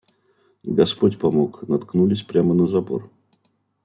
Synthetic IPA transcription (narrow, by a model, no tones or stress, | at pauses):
ɡɐspotʲpɐmoknɐt̪knulʲɪsʲpɾʲamənəzɐpo̰r